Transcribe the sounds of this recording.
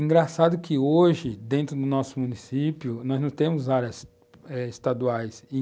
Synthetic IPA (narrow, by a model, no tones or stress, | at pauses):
ĩŋɡɾasad̪ʊkʰɪoʒɪd̪ẽnt̪ɾʊd̪ʊnɔsʊmũnisipjʊnɔznɐ̃w̃t̪ẽmʊzaɾjɐs | ɛɪst̪ad̪uajsi